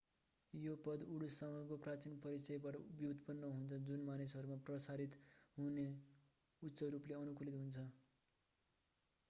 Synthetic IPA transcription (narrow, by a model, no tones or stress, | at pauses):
jopʌd̪uɽusʌŋɡʌkoprat͡sinpʌɾit͡sʌjbaʈʌbjid̪pʌnːʌɦunt͡sʰʌd͡zunmanisʌɾumaprʌsaɾit̪ɦune | utːsʌɾupleʌnukulit̪ɦunt͡sʰʌ